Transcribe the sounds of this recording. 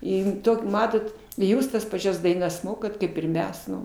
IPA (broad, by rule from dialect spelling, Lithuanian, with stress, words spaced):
ˈɪn ˈtoːkʲ ˈmɑːtoːt ɪ ˈjuːs tɐs pɐˈt͡ʃʲɛs dɐɪˈnɐs ˈmoːkɐt ˈkɐɪp ɪr ˈmʲɛs ˈnʊ